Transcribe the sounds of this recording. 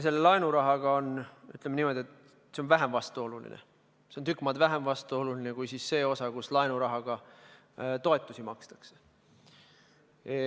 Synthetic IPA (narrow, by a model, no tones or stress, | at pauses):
s̬e̞lːelɑenuɾɑɦɑɡ̥ɑo̞ny̰t̪ːˑlemenimo̞d̪̥ʲiet̪ | se̞onvæɦemvɑst̪uo̞lulḭnḛ | seont̪ykːˑmɑld̪væɦemvɑst̪uo̞lulinekujsisːe̞ːo̞sɑkuslɑenuɾɑɦɑɡ̥ɑ | t̪o̞e̞t̪ːˑusimɑkst̪ɑ̥kse̥